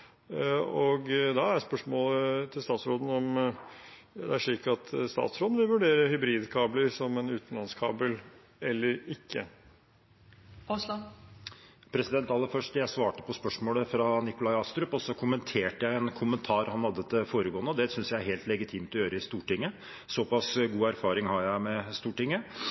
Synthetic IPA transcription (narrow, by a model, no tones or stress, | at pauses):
ɔɡd̪ɑæɾjæspœʂmoːlət̪ʰɪlst̪ɑːt̪sɾoːd̪n̩ɔm | d̪ɛ̰æʂɭiːkɑt̪ʰst̪ɑ̰ːt̪sɾoːd̪n̩ʋɪlʋʉɖeːɾəhʏbɾiːd̪kʰɑːbləɾsɔmɛnʉːt̪n̩lɑnskʰɑ̰ːbəl | ɛlːəɾɪkʰːə̰ | ɔsl | pʰɾɛsɪd̪ɛnt̪ɑlːəfœʂʈjæɪsʋɑːʈəpɔspœʂmoːləfɾɑnɪkʊlɑɪɑst̪ɾʉpɔsɔkʰʊmənt̪ʰeːʈəjæɪɛnkʰʊmənt̪ʰɑːɾhɑnhɑd̪ːəd̪əfoːɾəɡoːənəɔd̪ɛsʏnsjæɪæɾɦeːlt̪lɛɡɪt̪ʰiːmt̪ɔjøːɾəɪst̪uːʈɪŋːə | sɔpɑsɡuːæɾfɑːɾɪŋhɑɾjæɪmɛst̪uːʈɪŋːə